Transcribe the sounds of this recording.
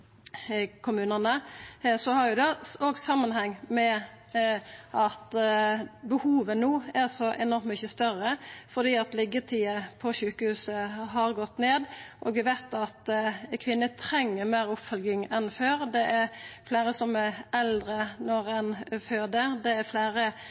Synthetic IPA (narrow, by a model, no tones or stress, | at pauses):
kʰʊmʉːnənəsɔhɑɾjʊd̪ɛoɡsɑmːənhɛŋːmɛ | ʔɑt̪ | bəhuːʋənuːæɾsɔʔɛnɔɾmt̪mʏçəst̪œɾəfɔd̪iːɑt̪lɪɡət̪ʰiːəpʰɔɕʉːkəhʉːsəɦɑɾɡɔt̪ːneːd̪ʔoːɡʋɪʋæɪt̪ɑt̪kʰʋɪnːət̪ʰɾɛŋːəɾmeːɾʊpfœlɡɪŋɛnføːɾd̪ɛʔæɾflæːɾəsɔmɛɛld̪ɾənɔɾɛnføːd̪əɾd̪ɛæɾflæːɾə